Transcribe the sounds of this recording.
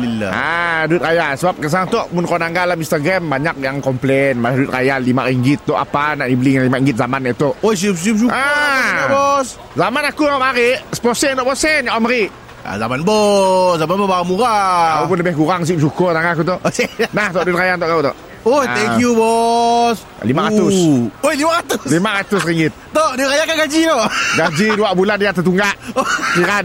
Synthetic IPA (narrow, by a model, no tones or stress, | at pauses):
ilaa̰duɪt̪̚kajasəbap̚kəs̬aaŋt̪ɔʔmʊnkanaŋɡalaminst̪aɡɾambaɲak̚jaŋkɔmplɛnmalahduɪt̪̚kajallimaʔiŋɡɪt̪ːɔʔa̰panaʔibəliŋalimaʔiŋɡɪt̪̚zamanaʔt̪ɔʔos̬ip̚sip̚suʔabɔs | zamanakuamaɾɪʔsə̥pɔsɛnt̪ɔʔpɔsɛnaʔamaɾɪʔ | a̰zamanbɔszamanbɔbaɾamuɾaaupʊnləbɪhɡuɾaŋs̬ip̚sukɔt̪aŋaakut̪̬ɔʔnaht̪ɔʔdt̪kajant̪ɔʔkaut̪ɔ̰ʔ | oht̪ɛŋkjubɔs | limaɾat̪ʊsohlimaɾat̪ʊlimaɾat̪ʊsɾiŋɡɪt̪̚ːɔʔdʊkajakaɡad͡ʒit̪ɔʔɡad͡ʒiduaʔbulandijat̪ət̪uŋɡaʔkiɾad